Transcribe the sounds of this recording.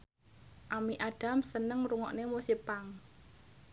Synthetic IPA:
ʔamiʔaɖ̥a̤msənəŋɾuŋɔ̰ʔnemusipaŋ

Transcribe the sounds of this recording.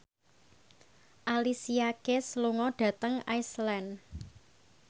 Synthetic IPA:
ʔalisiakesluŋɔɖ̥ä̤t̪əŋajslɛn

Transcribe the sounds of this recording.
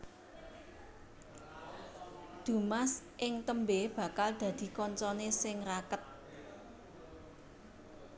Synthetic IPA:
d̪̥ṳmasʔɪŋt̪əmbeb̥a̤kald̪̥ä̤d̪̥i̤kɔɲt͡ʃɔnesɪŋrakət̪̚

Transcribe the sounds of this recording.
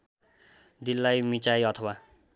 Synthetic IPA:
d̪ilːajmit͡sajʌt̪ʰʌwa

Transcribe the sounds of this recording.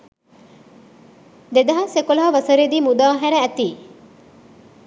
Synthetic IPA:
d̪ed̪ɐɦɐsekolɐɦɐʋɐsɐɾed̪iːmud̪aːɦæɾɐæt̪iː

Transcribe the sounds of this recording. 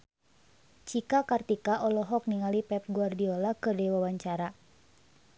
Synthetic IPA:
t͡ʃikakart̪ikaʔɔlɔɦɔk̚niŋalipɛp̚ɡuardiɔlakɨrdɛwawaɲt͡ʃaɾa

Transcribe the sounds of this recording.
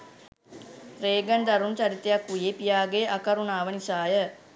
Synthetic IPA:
ɾeːɡənɖ̪aɾunt͡ʃaɾit̪ejakʋujepijaːɡeʔakəɾunaːʋənisaːjə

